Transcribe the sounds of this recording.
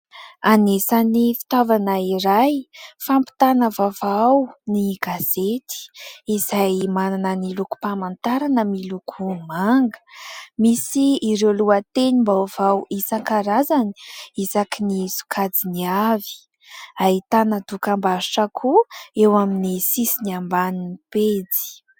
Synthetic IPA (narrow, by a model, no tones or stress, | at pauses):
anesanifi̥t̪avanaiɾajfampi̥t̪anəvavawniɡaz̥et̪i̥izajmananəniluku̥pamant̪aɾanəmilukʰumaŋɡə̥misiːɾeluat̪enimbawv̥awʔisaŋkaɾazani̥izakinisu̥kʰad͡ziniavi̥ | ait̪anəd̪ukambazuʈ͡ʂakʰuewaminisisiniambaniniped͡zi̥